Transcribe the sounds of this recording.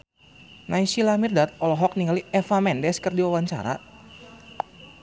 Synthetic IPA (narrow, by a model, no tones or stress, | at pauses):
naisilamirdat̪̚ɔlɔɦɔk̚niŋɡaliʔɛfamɛndɛskərdiwawaɲt͡ʃa̰ɾa̰